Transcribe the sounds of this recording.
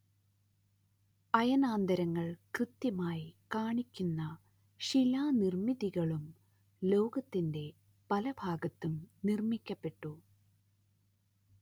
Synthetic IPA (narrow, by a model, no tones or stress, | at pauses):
ɐjɐnaːnd̪ɐɾɐŋːɐɭkrɨt̪ːjɐmaːjikaːɳikʲːunːɐ | ɕilaːnirmiðiɣɐɭum | lo̞ːɡɐt̪ːinde̞ | pɐlɐbʱaːɡɐt̪ːumnirmikʲːɐpːe̞ʈːu